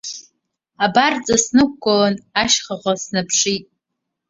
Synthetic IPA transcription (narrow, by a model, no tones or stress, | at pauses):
abart͡sʼasnɨk̚ʷɡʷʼolanaʃχaʁʷasnɨpʰʂitʼ